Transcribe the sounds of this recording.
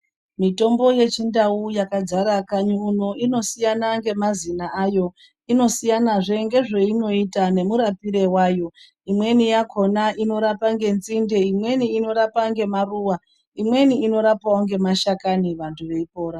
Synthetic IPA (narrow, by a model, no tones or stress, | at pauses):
mito̞mbo̞je̞t͡ʃindaujakad͡zaɾakaɲuuno̞ʔino̞sijanaŋɡe̞mazinaajo̞ | ino̞sijanaʐe̞ŋɡe̞ʐe̞ino̞itane̞muɾapiɾe̞waːjo̞ | imwe̞nijakʰo̞naʔino̞ɾapaŋɡe̞nt͡sinde̞imwe̞niːno̞ɾapaŋɡe̞maruːwa | imwe̞niːno̞ɾapaoŋɡe̞maʃakaniʋantʰuʋe̞ipo̞ːɾa